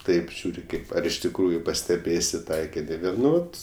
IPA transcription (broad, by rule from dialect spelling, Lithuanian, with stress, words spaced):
ˈtɐɪp ˈʒʲuːrʲɪ ˈkɐɪp ɐr ɪʃ tʲɪkˈruːjʊ pɐsʲtʲɛˈbʲeːsʲɪ ˈtɐɪkʲɪnʲɪ ˈʋʲeːlˠ ˈnʊ ˈʋɐt